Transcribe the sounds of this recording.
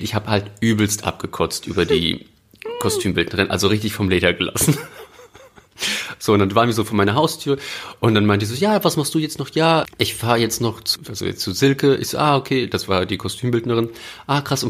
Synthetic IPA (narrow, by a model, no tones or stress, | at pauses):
ʔɪçhaːbəhaltʔyːbl̩stʔa̰p̚ɡ̥əkʰɔt͡stʔy̰ːbɐdḭː | kʰɔstʰyːmbɪldnəʁɪnʔa̰lzoʁɪçtɪçfɔmleːdɐɡəla̰sn̩ | z̥oːʊntd̥anvaːʁnviːɐzoːfoːɐmaɪnɐɦaʊstʰyːɐʔʊnt̚d̥anmaɪntəɪç̬z̥oːjaːvasmaχstd̥uːjɛt͡stnɔχjaːʔɪçfaːɐjɛt͡stnɔχt͡sualzo̰jɛ̰t͡st͡suzɪlkəʔɪ̰çz̥o̰ːʔaːʔokʰeːd̥asv̥aːɐdiːkʰɔstʰyːmbɪldnəʁ̞ɪnʔaːkʁ̥asʊn